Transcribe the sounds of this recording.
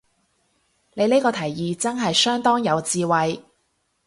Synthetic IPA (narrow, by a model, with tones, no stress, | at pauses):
ne˨˧jle˥kɔː˧t̪ʰɐ˨˩jːiː˨t͡sɐ˥nɦɐ˨jsœː˥ŋt̪ɔː˥ŋjɐ˨˧wt͡siː˧wɐ˨j